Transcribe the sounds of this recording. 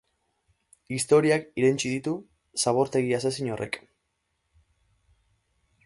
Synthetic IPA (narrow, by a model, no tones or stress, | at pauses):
ist̪o̞ɾiakiɾent͡ʃiðit̪u | saβo̞ɾt̪e̞ɣiasasiɲo̞rʔe̞̰k